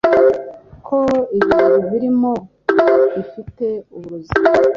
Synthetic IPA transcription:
kʰoiβiβiɾimo | βifite̞uβuɾuzima

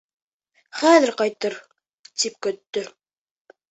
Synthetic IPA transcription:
χæðɘɾqɑjt̪ɤɾ | t̪ip̚kɵ̆t̪ːɵ

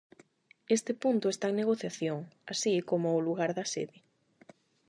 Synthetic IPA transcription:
est̪ɪpunt̪ʊest̪aŋneɣoθjaθjoŋasikomʊoluɣaɾðɐsḛðɪ

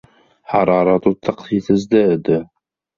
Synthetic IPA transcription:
ħɑɾˤɑɾˤɑt̪ut̪ːɑqθjiθəzd̪æd̪

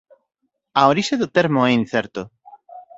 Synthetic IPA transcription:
aoɾiʃeðʊt̪eɾmoɛin̟θɛɾt̪o

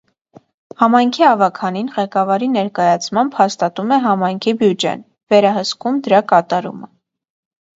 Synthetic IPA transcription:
hɑmɑjŋkʰiɑvɑkʰɑninʁɛkɑvɑɾinɛɾkɑjɑt͡sʰmɑmbhɑst̪ɑt̪umɛɦɑmɑjŋkʰibjud͡ʒɛ̰n | vɛɾɑɦəskumd̪əɾɑkɑt̪ɑɾṵmə

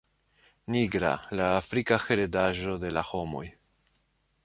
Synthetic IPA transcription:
niɡɾa̰laːfɾikaxe̞ɾe̞daʒo̞de̞laho̞mo̞̰j

